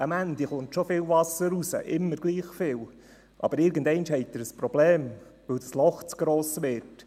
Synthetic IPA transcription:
əmænd̪iχʊntʃofɪːlvɑsəɾusə̰ʔɪmːəɾɡliːχfɪːlw | ʔɑ̰b̥əɾɪɾɡəndɛɪnʃhɛɪtəɾəspɾɔbleːm | ʋɵwd̥ɑslɔχt͡sɡ̥ɾoːsʋɪt

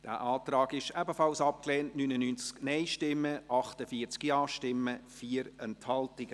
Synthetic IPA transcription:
d̥æ̰ːʔɑːtrɑːɡɪʃɛbəfɑlsɑp̚klɛːntnynənynt͡sknɛɪʃtɪmːəʔɑχtəfiət͡skiɑːʃtɪmːəfiːəɾɛnthɑltɪɡ̥ə

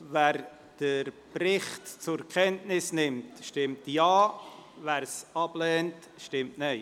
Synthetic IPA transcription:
væːɾ | d̥əɾprɪχtt͡sʊkʰɛntnɪsnɪmtʃtɪmtjɑːvæːɾsɑb̥lɛːnt | ʃtɪmtnaɪ

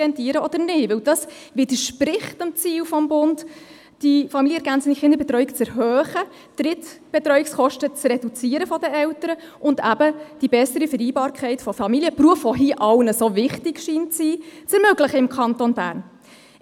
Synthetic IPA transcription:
ɛntiːəɾəɔd̥̪əɾnɪʋɪwd̥ɑs | ʋɪd̥əʃpɾɪχtəmt͡siːlfɔmbʊnt | d̥ifɑmiljəɛɾɡænt͡səniχɪnd̪əɾbɛt̪ɾœɥikt͡sɛɾɦœːχə | trɪtb̥ɛt̪ɾœɥikskɔʃtət͡srɛdut͡siəɾəfɔdəʔɛwtəɾə | ʊndæbəd̥ibɛsəɾifəɾiːbɑːɾkʰɛɪtfɔfɑmiljəpruəfɔɦiːʔɑlnəsovɪχtɪɡʃiːnt͡siːt͡sɛɾmøɡləχəɪmkʰɑntonbæ̰ːɾn

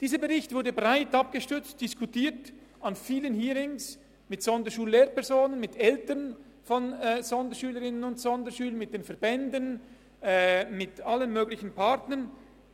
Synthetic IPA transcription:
d̥iːzəbɛʁɪçtv̥ʊɐdəbʁaɪtap̚ɡ̥əʃtʏt͡std̥ɪskʰutiːt | anfiːlənhiːɾɪŋs | mɪtsɔndəʃuːlːeːɾpɛʁzoːnənmɪtʰɛltən | fɔnɛːz̥ɔndəʃyːləɾɪnənʊntsɔndəʃyːlənmɪt̚d̥eːnfɛɐbɛndən | ɛːmɪtalənmøːɡlɪçən̩pʰaʁtnən

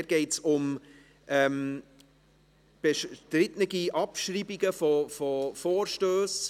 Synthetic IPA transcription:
ɡ̥ɛɪtsʊm | ʔɛm | b̥eʃtɾɪtnəɡiʔɑpʃriːbiɡəfɔfɔfoːɾʃtøːs

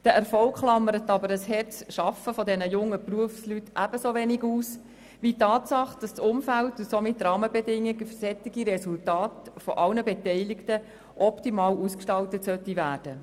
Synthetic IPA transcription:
d̥əɛɾfɔlkχlɑmːəɾət̪ɑbəɾəshɛɾt͡sʃɑfəfɔdɛnəjʊŋːəpruəfslytʔæb̥əsoʋɛniɡuːs | ʋitɑːtsɑχd̥ɑssʊmfæltusomɪt̪rɑːməbɛdɪŋːiɡəfsɛtːiɡiɾɛsultɑːtfɔʔɑlnəbɛtɛɪlɪktə | ʔɔptimɑːluːskʃtɑltətsœtːivæːɾd̥ə

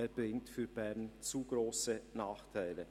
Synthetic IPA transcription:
eːbɾɪŋtfyːɾbɛʁnt͡suːɡɾoːsənaːχtʰaɪlə

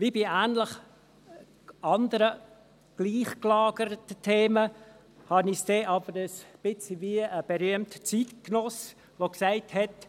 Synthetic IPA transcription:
vibiæːnləχ | ʔɑnd̪əɾə | ɡ̥liːχklɑːɡəɾətətʰeːmə | hɑnɪsd̥eʔɑb̥əɾəsb̥ɪt͡sviəb̥eɾyəmtə̥t͡sitknɔs | ʋoksaɪthɛt

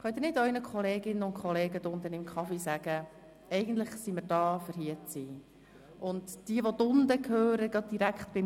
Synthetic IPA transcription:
χœt̪ɾnɪdɔʏnəkʰχɔleːɡɪnːənʊntkʰχɔleːɡədʊnd̪ənɪmkχɑfisæːɡ̥ə | ɛɪɡən̩tləχsiməːɾd̥ɑːfəɾɦiːət͡siː | ʔʊntd̥iəʋodʊndəkʰhøːɾəɡɑd̚d̥iɾækχtb̥ɪ

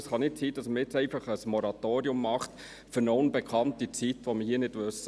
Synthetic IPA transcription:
sχɑnɪtsiːd̥ɑsməɾjɪt͡sɛɪfɑχəsmɔɾɑt̪oːɾiʊmːɑχt̪ | fʏɾnoʊnbɛkʰχɑntit͡sitʋoməɦiːənɪd̥ʋøsə

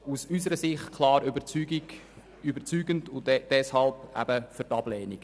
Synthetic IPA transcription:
usysəɾəsɪχtkʰlɑːɾybət͡syɡi | ybət͡syːɡəndʊnd̥ɛshɑlbæ̰bəfʏtɑb̥lɛːniɡ̥

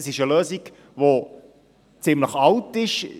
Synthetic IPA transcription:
əsɪʃəløːziɡ̥ | ʋo | t͡sɪmləχɑltɪʃ

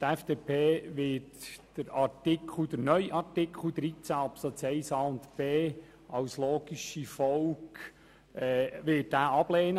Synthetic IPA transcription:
tæfd̥epʰeːʋɪtd̥əɾɑtɪk̩ʰd̥̪əɾnœʏʔɑɾtɪkʰl̩d̪ɾit͡sæːɑpsot͡sɛɪsɑʊnt̪b̥eː | ɑwsloːɡ̥iʃifɔwk | ɛʋɪːt̚dæːʔɑb̥leːnə

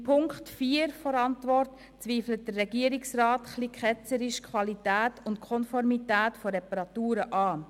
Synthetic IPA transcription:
pʰʊŋkχtfiːəɾfɔɾɑntvɔrt | t͡sviːflət̚d̥ərrɛɡiːəɾɪksraːtχliːkʰχɛt͡səɾɪʃkʰwɑlitæːtʊntkʰɔnfɔɾmitæːtfɔɾɛpɑɾɑtuːɾəʔɑː

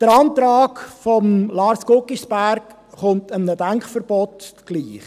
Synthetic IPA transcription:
d̥əɾɑntɾɑːkfɔmlɑːɾskokːisb̥æɾk | χʊntənnədæŋkχfəɾb̥ɔtɡ̥liːχ

